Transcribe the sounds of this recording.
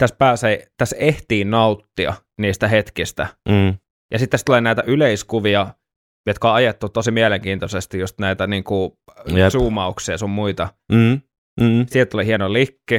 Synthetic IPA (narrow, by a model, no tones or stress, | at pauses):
t̪æspæːseit̪æseht̪iːnnɑut̪ːiɑ̰ | niːst̪æhet̪kist̪æ̰ | jɑsit̪ːæst̪ulenæit̪æʔyleiskuʋiɑ | jot̪koɑjet̪ːut̪osimieleŋkiːnt̪osest̪ijust̪næit̪æniːŋku | suːmɑuksiɑsommuit̪ɑ | silt̪ːolihienolikːi